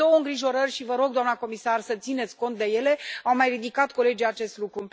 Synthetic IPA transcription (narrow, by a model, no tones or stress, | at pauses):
o̞wəɨŋɡɾiʒo̞ɾərʲʃivəɾo̞ɡ̚d̪oamnako̞misarsət̪sine̞t̪sʲko̞nt̪̚d̪e̞je̞le̞awmajrid̪ikat̪̚ko̞le̞d͡ʒijat͡ʃe̞st̪lukɾu